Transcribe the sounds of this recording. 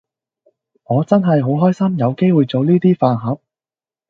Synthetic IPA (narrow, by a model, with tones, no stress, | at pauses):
ŋɔː˨˧t͡sɐ˥nɦɐ˨jɦo˨˥wɦɔː˥jsɐ˥mjɐ˨˧wke˥jwuː˨jt͡so˨wliː˥t̪iː˥faː˨˧nɦɐ˨˥p̚